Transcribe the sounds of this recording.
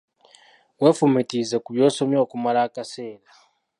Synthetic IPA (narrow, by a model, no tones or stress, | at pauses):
we̞ːfumitize̞kuβjo̞ːso̞mjo̞ːkumalaːkase̞ːla